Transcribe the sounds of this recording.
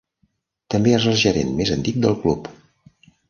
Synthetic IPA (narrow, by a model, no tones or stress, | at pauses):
t̪əmbeezəlˠʒəɾḛnmezənt̪ik̚d̪əlˠklup